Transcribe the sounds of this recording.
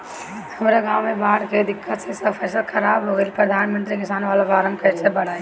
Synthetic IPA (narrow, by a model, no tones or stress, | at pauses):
hɐmɾaɡaːwmẽbaːɽked̪ɪkːət̪sesəpʰɛːslkʰɐɾaːbɦoɪlpɾəd̪ʱaːnmə̃nt̪ɾikɪsaːnʋaːlabaːɾə̃mbkɛːɾsebɐɽ̤aːe